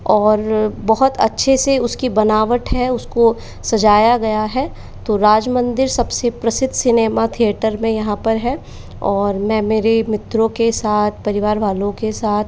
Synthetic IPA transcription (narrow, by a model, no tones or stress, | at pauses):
ɔːɾbɐɦʊt̪ʰɐ̰tːʃʰeseʊskibɐnaːʋəʈɦɛʊsko | sɐd͡ʒaːjaɡɐjaɦɛ | t̪oɾaːd͡ʒmə̃nd̪ɪɾsɐbsepɾɐsɪd̪ʱsɪneːmat̪ʰijeːʈəɾmẽjɐɦãpɐɾɦɛ | ɔːɾmɛ̃ːmeːɾemɪt̪ɾõkesaːt̪ʰpɐɾɪʋaːɾʋaːlõkesaːt̪ʰ